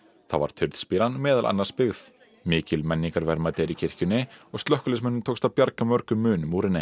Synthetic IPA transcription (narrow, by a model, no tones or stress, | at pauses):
θa̰va̰ɾ̥t̪ʰʏɾðspiɾanmɛːðalʔa̰nːḁspɪɣθ | mɪːcɪlmɛnːiŋkaɾvɛɾmat̪ɛɾicʰɪr̥cʏnːɪɔɣst̪lœhkʏlɛsmɛnːʏmt̪ʰoːwkst̪avpjaɾkamœɾkʏmːʏːnʏmuːɾɪnːɪ